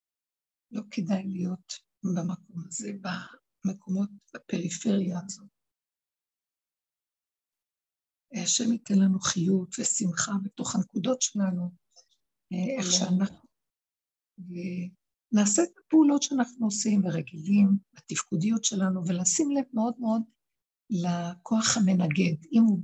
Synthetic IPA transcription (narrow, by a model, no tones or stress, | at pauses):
lo̞kʰedajlijo̞t | bamakʰo̞maze̞ba | mekʰo̞mo̞t̚b̥ape̞ʁifeʁijaːzo̞t̚ | aʃemitenlanuχijutvesimχabeto̞χanekudo̞tʃelanu | eχʃeanaχnu | e | naːset̪ḁpeulo̞tʃeanaχnuosimveʁeɡilimbat̪ifkudijotʃe̞lanuvelaːsimlevmeo̞d̪meo̞d | lakʰo̞aχhame̞naɡe̞dimu